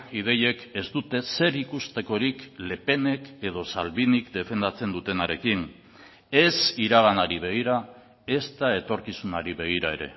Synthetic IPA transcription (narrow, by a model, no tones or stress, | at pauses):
iðe̞je̞ke̞zt̪ut̪e̞se̞ɾikust̪e̞ko̞ɾikle̞pe̞ne̞ke̞ð̞o̞salβinikd̪e̞fe̞nd̪at͡se̞nd̪ut̪e̞naɾe̞kin | e̞siɾaɣ̞anaɾiβ̞e̞ɣ̞iɾa | e̞st̪ae̞t̪o̞ɾkisunaɾiβe̞ɣ̞iɾae̞ɾe̞̰